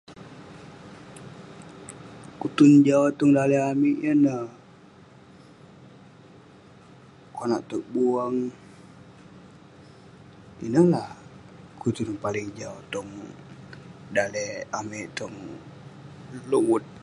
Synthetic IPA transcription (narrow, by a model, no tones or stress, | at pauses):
kut̪und͡ʒawt̪ɔŋdaleamiʔjənəh | kona̰ʔt̪ək̚buaŋ | ḭnəlah | kut̪unpalɪŋd͡ʒawt̪ɔŋ | daleameʔt̪ɔŋ | luwut̪̚